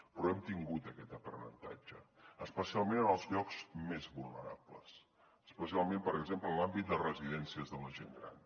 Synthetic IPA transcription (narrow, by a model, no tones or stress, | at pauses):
pɾɔɛmt̪iŋɡut̪əkɛt̪əpɾənə̰nt̪a̰d͡ʒəəspəsialˠmenənəlˠzʎɔkz̥mezβulˠnəɾapləs | əspəsialˠmempəɾəɡzempləlambit̪̚d̪ərəziðɛnsiəzðələʒeŋɡɾa̰n